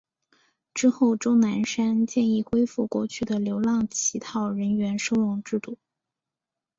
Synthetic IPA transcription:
ʈ͡ʂɻ̩˥xo˥˩ʊʈ͡ʂo˥ʊna˧˥nʂa˥nt͡ɕjɛ˥˧ni˥˩xwe˥ɪfu˥˧kwɔ̰˥˩t͡ɕʰy˥˩d̪ə˩ljo˧˥ʊlɑ˥˩ŋt͡ɕʰi˧˥t̪ʰɑ˥˩ʊɻə˧˥nɥɛ˧˥nʂo˥ʊlɑ˥˧ŋʈ͡ʂɻ̩˥˧t̪u˥˩

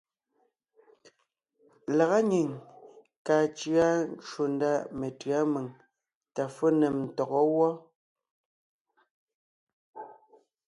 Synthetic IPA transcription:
la˨ɣa˦ɲi˨ŋ | kaː˨t͡ʃɰa˦n˦ʃo˨n˦da˦˨me˨tɰa˦me˨ŋ | ta˨fo˦nɛ˨mn̩˨tɔ˨ɣɔ˦wɔ˦

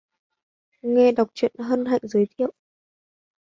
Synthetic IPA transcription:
ŋɛ˧ɗa˨˩wk͡p̚t͡ɕwḭ˧˨ənɦə˧nɦa̰˧˨jŋzəː˨˦jt̪ʰḭ˧˨ə˨w

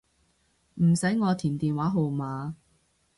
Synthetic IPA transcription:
m̩˨˩sɐ˨˥jŋɔː˨˧t̪ʰiː˨˩nt̪iː˨nwaː˨˥ɦo˨˧wmaː˨˧

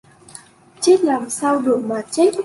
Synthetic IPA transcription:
t͡ɕe˦˥t̚laː˨˩msaː˧wɗɨ˨˩ək̚maː˨˩t͡ɕe˦˥t̚

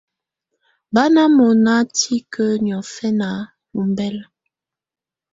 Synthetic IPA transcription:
ba˦na˦mo˨na˦ti˦kʰə˦n˨ɔ˨fɛ˦na˨˦ | mu˨m˦bɛ˦l

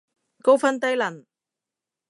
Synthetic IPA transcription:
ko˥wfɐ˥nt̪̬ɐ˥jlɐ˨˩n

